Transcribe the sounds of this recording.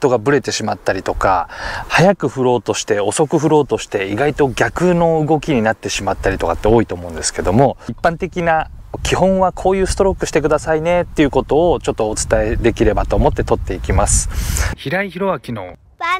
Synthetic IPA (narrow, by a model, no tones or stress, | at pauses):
t̪o̞ɡabɯ̟ɾe̞t̪e̞ɕimat̪ːaɾʲit̪o̞ka̰hajakɯ̟ɸɯ̟ɾo̞ːt̪o̞ɕi̥t̪e̞o̞so̞kɯ̟ɸɯ̟ɾo̞ːt̪o̞ɕi̥t̪e̞iɡait̪o̞ɡʲakɯ̟no̞ɯ̟ɡo̞kʲiɲ̟inat̪ːe̞ɕimat̪ːaɾʲit̪o̞kat̪ːeo̞ːit̪o̞ːmo̞ɯ̃nd̪e̞sɨ̥ke̞d̪o̞mo̞ipːãnt̪e̞kʲina | kʲihõ̞ɰ̃βakʰo̞ːjɯ̟ːsɨ̥t̪o̞ɾo̞kːɯ̟ɕi̥t̪e̞kɯ̟d̪asaine̞t̪ːe̞iɯ̟ko̞t̪o̞ːt͡ɕo̞t̪ːo̞ːt͡sɨ̥t̪ae̞d̪e̞kʲiɾe̞bat̪o̞ːmo̞t̪ːe̞t̪o̞t̪ːe̞ikʲimasɨ̥çiɾaiçiɾo̞βakʲino̰